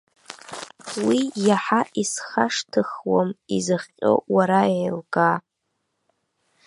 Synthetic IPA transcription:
wijaħaʔisχaʂtʰɨχwamizɨχʲqʲʼʊ̰waɾajlɡa

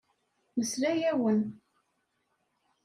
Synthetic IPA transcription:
məsɾæjæwən

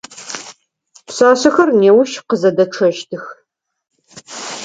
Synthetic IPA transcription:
pɕaːɕɐxɐrneːwʊʃqəzɐdɐʈ͡ʂʰɐʃtʰɨx

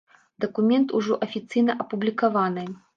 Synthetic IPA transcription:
d̪ɐkumʲɛnt̪uʐɔ̰ʔɐfʲit̪sɨjnɐʔɐpublʲikavanɨ

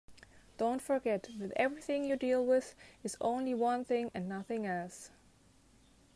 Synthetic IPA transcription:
d̥õʊ̃ntfə˞ɡɛt̪ðɨtɛvɹiθɪ̃ŋjudilˠwɪðɨzõ̰ʊ̃nliwʌ̃nθɪ̃ŋɨ̃nːʌθɪ̃ŋɛlˠs

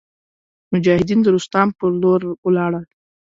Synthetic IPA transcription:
mʊd͡ʒɑhɪd̪ind̪əɾust̪ɑmpəɾloɾwlɑɽəl

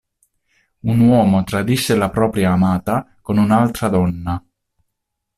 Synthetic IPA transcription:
unwɔːmot̪ɾad̪isːelapɾɔːpɾjaːmaːt̪a | konunalt̪ɾad̪ɔnːa

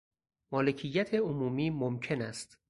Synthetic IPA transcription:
mɒːle̞cʰijːæt̪ʰe̞omuːmiːmomcʰe̞næst̪

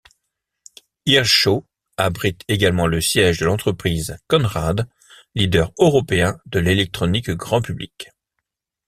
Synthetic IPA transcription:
iʁʃo | abʁit̪eɡalmɑ̃ləsjɛʒd̪əlɑ̃t̪χəpχizkɔnʁad̪ | lid̪œʁøʁɔpeɛ̃d̪əlelɛk̚t̪χɔnikɡʁɑ̃pyblḭk

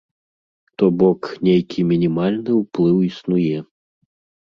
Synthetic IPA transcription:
t̪ɔbɔknʲejkʲʰimʲinʲimalʲnɨwplˠɨwisnujɛ

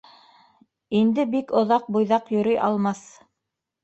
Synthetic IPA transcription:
ind̪ɘbikŏðɑq̚bujðɑqjɵ̆ɾɤjʔɑlˠmɑθ

